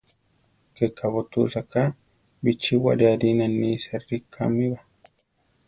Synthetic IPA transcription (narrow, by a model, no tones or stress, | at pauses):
kɛkʰːabɔt̪usaka | bit͡ʃːiwa̰dad̪inanːiːsɛrikʰːa̰mːiba